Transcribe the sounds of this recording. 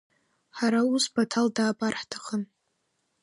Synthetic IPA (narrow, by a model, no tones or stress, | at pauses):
ħaɾausbatʰaldaːpʼarħtʰḁχən